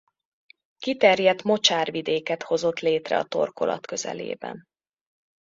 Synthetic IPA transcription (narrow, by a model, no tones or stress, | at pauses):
kit̪ɛrjɛt̪mo̞t͡ʃaːrvid̪eːkɛt̪ho̞zo̞t̪leːt̪rɛ̰ɒt̪o̞̰rko̞lʔɒ̰t̪kø̞zɛ̰lḛːbɛ̰n